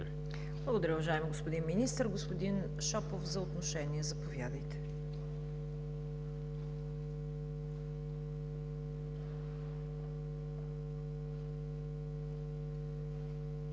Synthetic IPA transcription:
blˠəɡʊd̪ɐɾʲəʊvɐʒaɛmiɡospod̪inminist̪əɾɡospod̪in | ʃɔpofzɐot̪noʃɛniɛzɐpovjad̪əjt̪ɛ̥

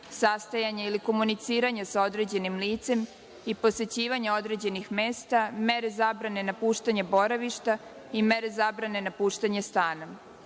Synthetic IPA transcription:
sast̪ajaɲeiliko̞munit̪siːɾaɲasaod̪ɾe̞d͡ʑe̞nimliːt̪se̞m | ipo̞se̞t͡ɕiːʋaɲeo̞d̪ɾe̞d͡ʑe̞nixmeːst̪ame̞ɾe̞zaːbɾane̞napuːʃt̪aɲebo̞ɾaʋiʃt̪a | ime̞ɾe̞zabɾane̞napuːʃt̪aɲest̪aːna

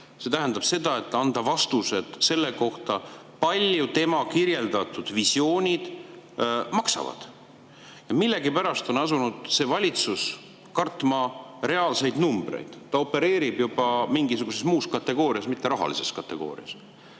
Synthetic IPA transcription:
se̞t̪æɦænd̪ɑb̥se̞d̪ɑet̪ːˑɑnd̪ɑvɑst̪use̞d̪̥se̞lːe̞ko̞ht̪ɑ | pɑlʲjut̪e̞mɑkirje̞ld̪ɑt̪ːˑud̪̥visjo̞ːnʲid̪̥ | mɑksɑ̰vɑ̰d̪̥ | jɑmilːe̞ɡipæɾɑst̪o̞nɑs̬unud̪̥se̞vɑlʲit̪sus | kɑrt̪ːˑmɑre̞ɑːlse̞jd̪numb̥ɾe̞̰jd̪̥ːɑo̞pːe̞ɾe̞ːɾib̥jub̥ɑmiŋɡisuɡ̥use̞smuːskɑt̪ːe̞ɡ̥o̞ːɾiɑsmit̪ːe̞ɾɑɦɑ̰lise̞skɑt̪ːe̞ɡ̥o̞̰ːɾḭɑ̰s

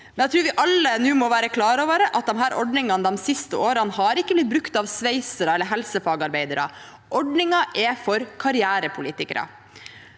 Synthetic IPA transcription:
mmɛnæt̪ʰɾʉːɾʋɪʔɑlːənʉːmɔʋæːɾəkʰlɑːɾoːʋəɾəʔɑt̪̚d̪ɔmɦæːɾʔɔɖɳɪŋɑnd̪ɔmsɪst̪əoːɾɑnhɑɾɪkːəblɪt̪̚bɾʉkt̪ɑʋsʋeɪsəɾəɛləɦɛlsəfɑːɡɑɾbeɪd̪əɾɑ̰ | ʔɔɖɳɪŋɑʔɛfɔɾkʰɑɾɪæːɾəpʰʊliːt̪ɪkəɾɑ̰

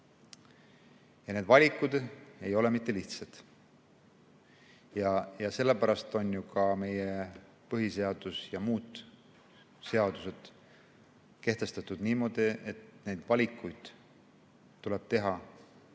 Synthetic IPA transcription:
jɑne̞ːd̪̥vɑlʲikːˑud̪̥e̞jo̞le̞mit̪ːe̞liht̪sɑd̪̥ | jɑjɑse̞lːepæɾɑst̪o̞nʲjukɑme̞je̞ | pɤɦise̞ɑd̪̥usjɑmuːd̪̥ | se̞ɑd̪̥use̞d̪̥ | ke̞ht̪e̞st̪ɑt̪ˑud̪niːmo̞d̪̥ie̞t̪ne̞jd̪̥vɑlʲikːˑujd̪̥ | t̪ːuleb̥̚t̪e̞ɦɑ

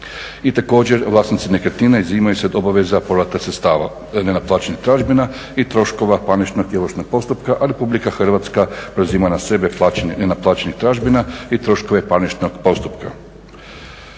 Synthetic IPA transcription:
it̪ako̞ːd͡ʑeɾʋlˠaːsnit̪sinekəɾt̪ninaiziːmajuseod̪o̞baʋe̞zapo̞ɾʋat̪aset̪st̪aːʋa̰ | nenaplˠaːt͡ʃenixt̪ɾaʒbina | it̪ɾo̞ʃko̞ʋapanit͡ʃnoɡjeloʃnoɡ̥̚po̞st̪upkaʔaɾe̞publikaxr̩ʋat̪skapɾeziːmanase̞be̞plˠaːt͡ʃeninenaplˠaːt͡ɕenixt̪ɾaːʒbinait̪ɾo̞ʃko̞ʋe̞panit͡ʃnoɡpo̞st̪upka̰

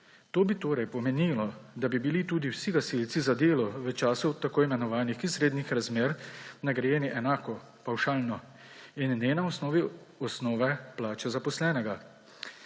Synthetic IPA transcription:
t̪oːbit̪oːɾɛjpɔmɛniːlɔd̪abibilit̪uːd̪iwsiɡasilt̪sizad̪eːlɔʋət͡ʃaːsuwt̪akoːimɛnɔʋaːnixisɾeːd̪nixɾazmeːɾnaɡɾɛjeːniʔɛnaːkɔ | pawʃaːlnɔ | innɛnaɔsnɔːʋi | ɔsnɔːʋɛplaːt͡ʃɛzapɔslɛːnɛɡa

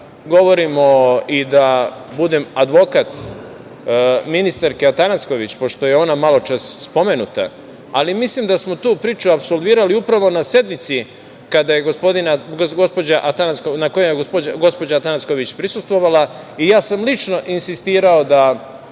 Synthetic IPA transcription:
ɡo̞ʋo̞ɾimoid̪abud̪emad̪ʋo̞kat̪ | minist̪aɾkeat̪anasko̞ʋit͡ɕpo̞ʃt̪o̞jeo̞namalo̞t͡ʃasːpo̞menut̪a̰ː | limislimd̪asmo̞t̪uːpɾiːt͡ʃuapsolˠʋiːɾaliupɾaʋo̞nasje̞d̪mit̪si | kad̪aje̞ɡospo̞d̪inaɡoɡospo̞d͡ʑaʔat̪anaskonako̞jemeɡospoaɡo̞spod͡ʑat̪anasko̞ʋit͡ɕpɾisust̪ʋo̞ʋala | ijaːsamlit͡ʃno̞ʔinsist̪iːɾaod̪a

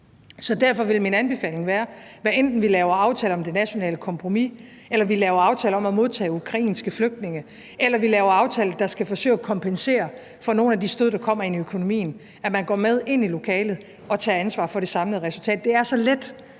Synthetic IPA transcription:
sɒ̽d̥æɐ̰fɒ̽ʋe̝lminænb̥e̝fɛ̰ːle̝ŋʋæːɐʋæʔend̥n̩ʋilɛʊɐɑ̈ʊt͡sʰɛːləɒ̽md̥e̝næɕo̝nɛ̰ːləkʰɒ̽mpʰʁomi | elɐʋilɛːʊɐɑ̈ʊt͡sʰɛ̰ːləɒ̽mæmo̝ð̞ˠt͡sʰɛ̰ːukʰʁɑ̈ḭːnsɡ̥əfløɡ̥̚d̥̚ne̝ŋə | ʔelɐʋilɛːʊɐɑ̈ʊt͡sʰɛːl̩d̥ɑ̈sɡ̥æfɒ̽sø̰ɪ̰ækʰɒ̽mpʰense̝̰ːɐ | fɒno̝ːnæd̥isd̥øð̰ˠd̥ɑ̈kʰɒ̽m̰ɐe̝niøkʰo̝no̝mḭːn̩ | æmænɡ̥ɒ̰ːmeð̞ˠe̝n̰ilo̝kʰɛːlð̞̩ˠ | ɒ̽t͡sʰɛ̰ːænsʋɑ̰̈ːfɒ̽ɾe̝sɑ̈mləð̩ˠʁɛsult͡sʰɛ̰ːd̥ːe̝æɐsɒ̽led̥

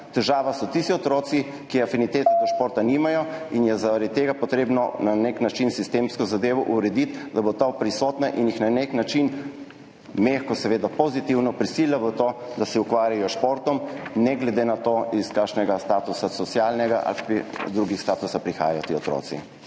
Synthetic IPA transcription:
t̪ɛʒaːʋasɔt̪ist̪iɔt̪ɾoːt̪si | kiafinit̪eːt̪ad̪ɔʃpoːɾt̪animajɔinjɛzaɾad̪̚t̪ːeːɡapɔt̪ɾeːbnɔnaneknat͡ʃinsist̪eːmskɔzad̪eːʋɔʔuɾɛd̪it̪d̪abot̪apɾisɔːt̪naʔinjixnaneknat͡ʃin | mexkɔsɛʋeːd̪apozit̪iwnɔpɾisilʲlaʋət̪od̪asɛukʋaːɾjajɔʃpoɾt̪ɔmnɛɡlɛd̪enat̪oiskaːkʃnɛɡast̪aːt̪usasɔsjaːlnɛɡaʔa̰lpid̪ɾuɡixst̪aːt̪usapɾixa̰ːjajɔt̪iɔt̪ɾo̰ːt̪sḭ

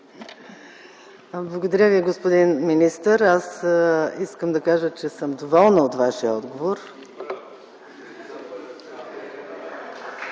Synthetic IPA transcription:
blˠəɡod̪ɐɾʲəviɡospod̪inminist̪əɾasiskəmd̪ɐkaʒət͡ʃɛsəmd̪ovɔlˠnəot̪vaʃiəɔd̪ɡovoɾ

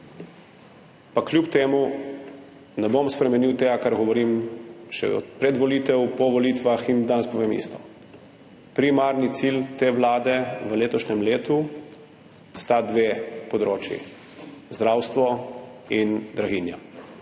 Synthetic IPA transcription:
paklʲjupt̪eːmu | nɛbomspɾɛmɛniwt̪eːɡakaɾɡɔʋɔɾimʃɛ̰ɔ̰pɾɛd̪ʋɔlit̪ɛwpɔʋɔliːt̪ʋaxind̪aːnɛspɔʋeːmḭːst̪ɔ̥ | pɾimaɾnit̪silt̪eːʋlaːd̪ɛʋəleːt̪ɔʃnɛmleːt̪u | st̪ad̪ʋeːpɔd̪ɾoːt͡ʃjḭ | zd̪ɾaːwst̪ʋɔind̪ɾaɣinja

